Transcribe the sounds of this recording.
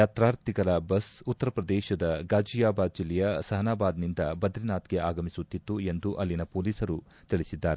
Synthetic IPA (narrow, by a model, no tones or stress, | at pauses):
jaːt̪ɾaːɾt̪iɡɐlɐbɐsut̪ːɐɾɐpɾɐd̪ɛːʃɐd̪ɐɡaːd͡ʒijaːbaːd̪̚d͡ʒilːɛjɐsɐɦɐnaːbaːd̪nind̪ɐbɐd̪ɾinaːt̪ɡeaːɡɐmisut̪ːit̪ːue̞nd̪uʔɐlːinɐpoːliːsɐɾu | t̪iɭisid̪ːaːɾe